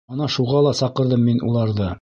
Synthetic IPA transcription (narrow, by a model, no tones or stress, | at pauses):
ɑnɑʃuʁɑlˠɑsɑqɤ̆ɾðɤmːinṵlˠɑɾðɤ